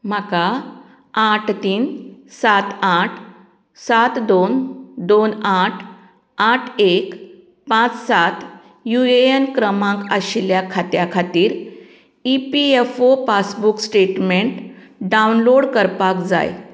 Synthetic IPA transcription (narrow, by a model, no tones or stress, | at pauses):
m̤aka | aʈʰt̪iːnsat̪aʈʰ | sat̪d̪ond̪onaʈʰ | aʈʰek | pãt͡ssat̪ | jueenkɾəmãŋkaɕljakʰat̪jakʰat̪iːɾ | ipiefopasbuksʈeʈmeɳʈ | ɖawnloɽkəɾpakd͡za̰j